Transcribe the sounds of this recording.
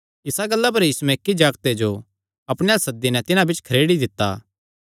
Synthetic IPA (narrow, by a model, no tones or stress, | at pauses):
ɪsaɡɐlːap̬ɐɾjisuɛkːid͡ʒaːɡt̪ed͡ʒo | ɐpɽ̃ejasɐd̪ːinɛt̪ɪnãbɪt͡ʃkʰɐɾeːɽid̪ɪt̪ːa̰ː